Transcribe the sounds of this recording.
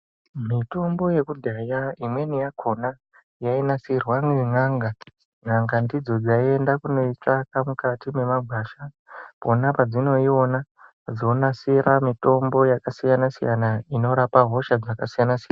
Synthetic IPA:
mito̞mbo̞je̞kudʱajaimwe̞nijakʰo̞na | jainasirwaŋiŋaŋɡa | ŋaŋɡandid͡zo̞d͡zaie̞ndakuno̞it͡ʂakamukatime̞maɡʱwaːʃa | po̞napad͡zino̞io̞na | d͡zo̞nasiɾamito̞mbo̞jakasijanasijanaino̞ɾapaɦo̞ʃad͡zakasijanasijana

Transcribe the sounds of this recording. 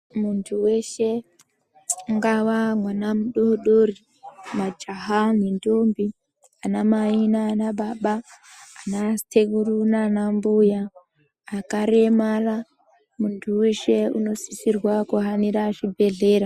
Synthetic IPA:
muntʰuwe̞ʃe | ŋɡawamwanamuɗoɗori | mad͡ʒaɦanindombi | anamainaːnaɓaɓaː | nateɡurunanambujaː | kaɾe̞mara | muntʰuwe̞ʃe̞ṵno̞sisirwakuɦaniɾaʐibʱe̞ɮe̞ːɾa

